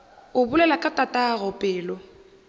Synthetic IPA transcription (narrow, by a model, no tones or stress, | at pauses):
ʊbʊlɛlakʼatʼatʼaɣɔpʼɛːlɔ